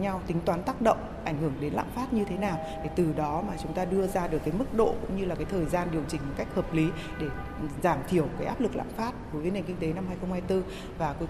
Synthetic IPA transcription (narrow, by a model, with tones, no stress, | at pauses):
ɲa˧wt̪ï˨˦ŋ̟t̪waː˨˦nt̪aː˦˥k̚ɗə̰˧˨wŋ͡mʔa˧˩jŋ̟hɨ˧˩əŋɗe˨˦nla̰ː˧˨mfaː˦˥t̚ɲɨ˧t̪ʰe˨˦naː˨˩w | ɗe˧˩t̪ɨ˨˩ɗɔ˨˦maː˨˩t͡ɕʊ˨˦ŋ͡mt̪aː˧ɗɨ˧əzaː˧ɗɨ˨˩əkːaː˨˦jmɨ˦˥k̚ɗo̰˧˨kʊ̰˧˥ŋ͡mɲɨ˧laː˨˩kaː˨˦jt̪ʰəː˨˩jzaː˧nɗi˨˩əwt͡ɕï˧˩ŋ̟m˨˩t̚ka˦˥k̟̚həː˨˩p̚li˨˦ | ɗe˧˩ | zaː˧˩mt̪ʰi˧˩əwkaː˨˦ʔaː˦˥p̚lɨ˨˩k̚la̰ː˧˨faː˦˥t̚ɗo˨˦jvə˨˦ne˨˩ŋ̟kï˧ŋ̟t̪e˨˦na˧mhaː˧jxə˧wŋ͡mhaː˧jt̪ɨ˧ | vaː˨˩ko˨˦